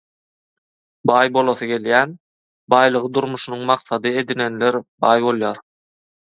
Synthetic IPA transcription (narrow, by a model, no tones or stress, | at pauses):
bɑːjbo̞lˠoθɯɡe̞ljæːn | bɑːjlˠɯʁɯd̪uɾmuʃunuŋmɑqθɑd̪ɯe̞d̪ine̞nle̞ɾbɑːjbo̞lˠjɑːɾ